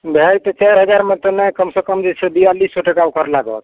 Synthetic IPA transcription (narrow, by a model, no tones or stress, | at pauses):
bʱɛlt̪ɔt͡ʃɛɾɦəd͡ʒaɾmẽt̪ɔnekəmsə̃kəmd͡ʒesʰebijalisːoʈəkaukəɾlaɡə̰t̪